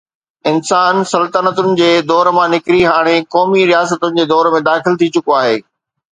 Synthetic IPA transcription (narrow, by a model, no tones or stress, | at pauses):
ɪnsaːnsɐlt̪ənət̪ʊnɪ̆d͡ʑeːd̪ɔːɾmãnɪkɾiɦaːɽ̃ekɔːmiɾijaːsət̪ʊnɪ̆d͡ʑeːd̪ɔːɾmẽd̪aːxɪlt̪ʰit͡ɕʊkoaːɦeː